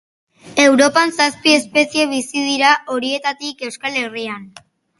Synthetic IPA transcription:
e̞wɾo̞pansaspie̞spe̞sie̞β̞isiðiɾaʔo̞ɾie̞t̪at̪ike̞wskale̞rian

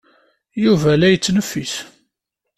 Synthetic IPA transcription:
juvælæjət͡sːnəfːis

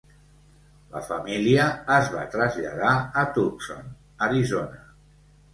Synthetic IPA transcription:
lə̰fəmiliəːzβat̪ɾəzʎa̰ðaət̪ukso̰n | əɾizonə

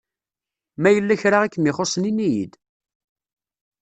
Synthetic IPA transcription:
mæjəlːæçɾaʁækːmɪχosˤninijḭd̪

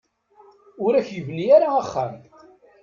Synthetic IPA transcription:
ʊɾæçjəvniaɾaːχːæ̰m

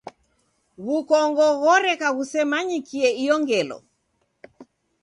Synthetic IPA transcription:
ɣukɔŋɡɔɣɔɾɛkaɣusɛmaɲikiɛijɔŋɡɛlɔ̰

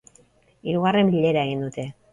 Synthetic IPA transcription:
iɾuɣare̞mbiʎe̞ɾae̞ɣ̞ind̪ut̪e̞

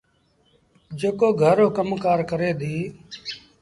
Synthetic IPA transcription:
d͡ʒeːkoːɡʱəɾoːkəmkaːɾkəɾeːd̪iː

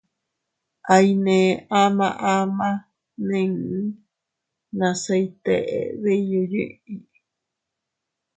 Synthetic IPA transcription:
ʔainẽamã̰ʔamã | nẽ | nãsajt̪ḛʔḛβejjoɲɨ̰̃i

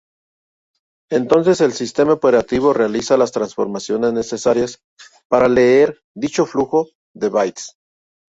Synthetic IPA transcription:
ent̪o̞ns̬e̞se̞lsist̪e̞maope̞ɾat̪iβ̞o̞re̞alisalast̪ɾansfo̞̰ɾmasjo̞ne̞zne̞se̞saɾjas | paɾale̞eɾ | d̪it͡ʃo̞fluxo̞ | ðe̞βajt̪s

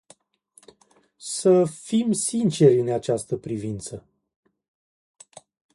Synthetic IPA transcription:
səfimsint͡ʃe̞ɾʲɨnat͡ʃast̪əpɾivint̪sə

